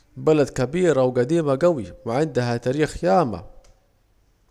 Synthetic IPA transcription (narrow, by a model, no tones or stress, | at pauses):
balad̪kabiːɾawɡad̪iːmaɡawiwɪʕɪnd̪aɦat̪aːɾiːxjaːma̰